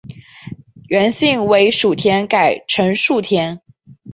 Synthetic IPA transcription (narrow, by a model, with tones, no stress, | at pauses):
ɥɛ˧˥nɕi˥˩ŋwe˧˥ɪʂu˨˩t̪ʰjɛ˧˥nka˨˩ɪʈ͡ʂʰə˧˥nʂu˥˩t̪ʰjɛ˧˥n